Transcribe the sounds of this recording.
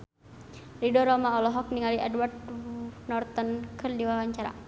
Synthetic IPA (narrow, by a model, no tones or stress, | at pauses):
ridɔɾɔmaɔlɔɦɔk̚niŋaliʔɛdward̪nɔrt̪ənkʰɨrdiwawaɲt͡ʃaɾa̰